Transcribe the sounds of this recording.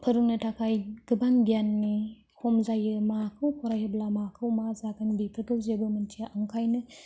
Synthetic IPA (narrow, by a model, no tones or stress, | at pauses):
pʰɯɾunɯtʰakʰajɡ̥ɯbaŋbijanːi | kʰomzajɯmakʰɯwkʰɔɾajhɐblamakʰɯwmazakʰɯnbipʰɯɾkɯwzebɯmɯntʰijaʔaŋkʰajnɯ